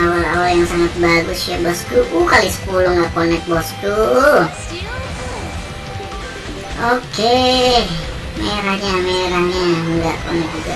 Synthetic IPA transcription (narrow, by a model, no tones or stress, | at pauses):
awalawaljaŋsaŋat̪̚baɡʊsʃabɔst̪ukukalisə̥kulɔŋɡaʔkonɛk̚bɔst̪u | oke | meɾaɲameɾahɲaŋɡaʔkonɛk̚d͡ʒuɡa̰